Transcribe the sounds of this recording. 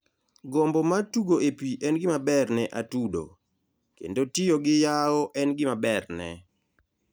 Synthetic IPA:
ɡombɔmatuɡoepiʔɛnɡɪmabɛrnɛʔatudo̰ | kḛndotɪjoɡɪjaɔʔɛnɡɪmabɛrnɛ̰

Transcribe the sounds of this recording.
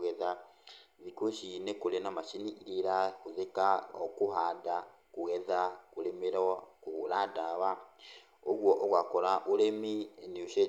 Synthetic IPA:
ɣɛða | ðikoʃinekoɾenamaʃiniiɾeɾakoðekaɔkoɦada | kuɣɛðakoɾemeɾkuɾadaβa | oɣwɔʔɔɣwakɔɾaʔoɾeminioʃe

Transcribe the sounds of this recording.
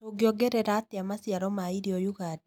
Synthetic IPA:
oɡjɔɡɛɾɛɾat̪ɪamasjaɾɔmaiɾiɔjuɣad

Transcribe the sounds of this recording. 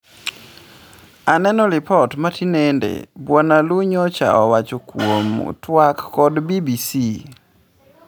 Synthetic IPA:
anɛnɔlɪpɔtmatinendḛbwɔnaluɲɔt͡ʃa̰ɔwat͡ʃokwomṵtwakːɔdbibisi

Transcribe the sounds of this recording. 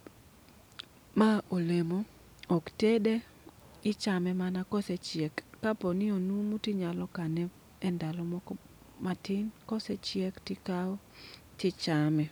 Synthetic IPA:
maʔolemo | oktede | ɪt͡ʃamɛmanakɔsɛt͡ʃɪɛkːapɔnɪonumutɪɲalɔkanɛ | ɛndalɔmɔkɔ | matɪnkɔsɛt͡ʃɪɛktɪkaɔ | tɪt͡ʃamɛ

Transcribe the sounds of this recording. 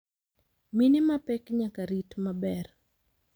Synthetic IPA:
minɪmapɛkɲakaɾitmabɛr

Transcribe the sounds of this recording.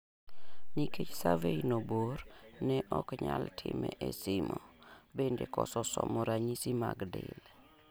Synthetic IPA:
niket͡ʃsavejnobornɛʔɔkɲaltʰɪmɛʔesɪmobendekɔsɔsɔmɔɾaɲisimaɡdɪl

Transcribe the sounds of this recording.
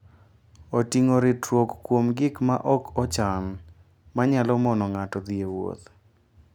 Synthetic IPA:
otiŋoɾɪtwokːkːwomɡɪkma̰ʔɔkɔt͡ʃan | maɲalɔmɔnɔŋatɔd̪iewo̰t̪

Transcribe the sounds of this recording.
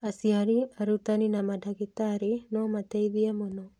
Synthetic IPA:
asiaɾiaɾut̪aninamadʱaɣit̪aɾenɔmat̪eiðiamono

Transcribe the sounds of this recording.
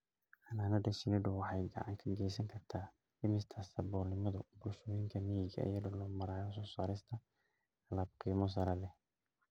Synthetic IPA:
ʔɐnaːnɐɖɐʃɪnɪɖʊwɑħɑjɡɐ̰ʕɑ̰ŋkʰɐɡɛjsɐŋkʰɐrt̪ʰaː | ɪmɪst̪ʰɐsɐbɔːnɪmɐðʊbʊlʃɔːjɪŋkʰɐmijɪɡɐɐ̰jɐðɔlɔːmɐɾaːjɔsɔːsaːɾɪst̪ʰɐ | ɐlaːb̚qiːmɔs̬ɐɾɐlɛ

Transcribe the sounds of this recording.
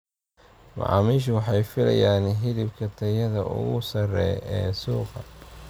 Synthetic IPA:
mɑ̰ʕɑ̰ːmiːʃ̬ʊwɑħɑjfɪlɐ̰jaːnɦɪðɪbkʰɐt̪ʰɐjɐðɐʔʊ̰ɣʊsɐrɛ̰jɛːsuːqɑ

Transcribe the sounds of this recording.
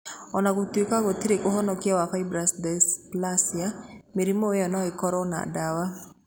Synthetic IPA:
ɔnakutekaɡɔtiɾekoɦɔnɔkiawakaibɾasdɛsplasiameɾimoeɔnɔekɔɾɔna̰dawa

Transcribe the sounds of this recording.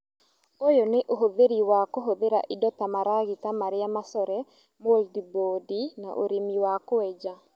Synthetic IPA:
ojoneʔoɦoðeɾiwakoɦoðeɾa̰ʔidɔtamaɾaɣitamaɾɪamasɔɾɛ | moldibodina̰ʔo̰ɾimiwakoɛd͡ʒa

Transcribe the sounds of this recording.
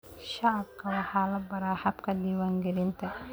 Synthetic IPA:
ʃaʕab̚kʰɐwɐħalɐbɐɾaːhɐbkʰɐd̪iːwaːŋɡɪɾɪnt̪ʰɐ

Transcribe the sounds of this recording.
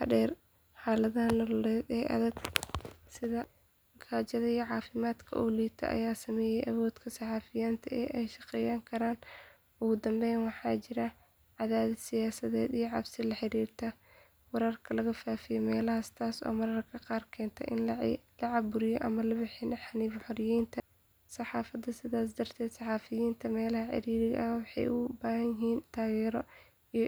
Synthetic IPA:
hɐdɛːr | ħɑːlɐðanɐlʊɾɛːd̪ɛːʔɐ̰ðɛɡ | sɪðɐ | kʰaːt͡ʃɐðɐijɐʕɑːfɪmaːd̪kʰɐ̰ʔuːliːt̪ʰɐ̰ʔɐ̰jaːsɐmɛːjɛjʔɐβɔːd̪kʰɐsɑħɑːfɪjaːnt̪ʰɐɛːʔɛjʃɑqɛjaːŋkʰɐɾaːn | ʔʊɣʊd̪ɐmbɛjnwɑħɑːt͡ʃɪɾɐ | ʕɑðaːðɐsɪjaːsɐðɛːd̪ijʕɑbsɪlɐħɪɾiːrt̪ʰɐ | wɛɾɐrkʰɐlɐɣɐfaːfɪjɔmɛːlɐhɐsɪ̥t̪aːsɔ̰ːmɐɾɐrkʰɐqɑːrkʰɛːnt̪ʰɐʔɪnlɐʕɑbʊɾɪjɔʔɐmɐlɐbɪħɪnʔɐħaniːfħɔɾɪjiːnt̪ʰɐ | sɑħɑːfɐd̪ɐsɪðaːsd̪ɐrt̪ʰɛːd̪̥sɑħɑːfɪjiːnt̪ʰɐmɛːlɐhɐʕɪ̰ɾiːɾɪɣɐʔɐwɑħɑ̰jʔʊbaːɦɐnjɪɦiːnt̪ʰaːɣɛːɾɔ | i

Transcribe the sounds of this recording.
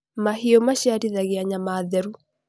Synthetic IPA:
mahiɔmaɕjaɾiðaɣeaɲamaːðɛɾu

